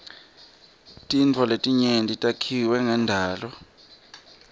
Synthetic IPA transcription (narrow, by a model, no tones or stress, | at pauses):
tʼint͡fʰɔletʼiɲentʼitʼakʰiwɛŋandʱaːlɔ